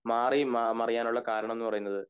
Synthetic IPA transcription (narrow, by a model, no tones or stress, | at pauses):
maːrimamɐrijaːnuɭːɐkaːɾɐɳɐmenːɨpɐrɐjunːɐðɨ